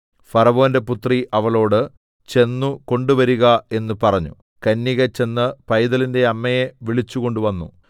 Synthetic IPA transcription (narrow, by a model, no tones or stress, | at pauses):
fɐɾɐʋoːnde̞put̪riʔɐʋɐɭo̞ːɽɨ | t͡ɕe̞nːuko̞ɳɖuʋɐɾuɣɐe̞nːupɐrɐɲːu | kɐnːiɣɐt͡ɕe̞nːɨpɐjðɐlinde̞ɐmːɐjeʋiɭit͡ɕːuɣo̞ɳɖuʋɐnːṵ